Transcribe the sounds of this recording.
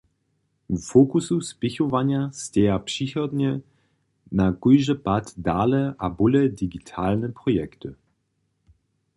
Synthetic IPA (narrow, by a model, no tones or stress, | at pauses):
wfokususpɪçovaɲastɛjapʂixɔdɲɛ | nakujʒəpatdaːlɛʔabulɛdiɡitʰaːlnəpʁɔjɛktɨ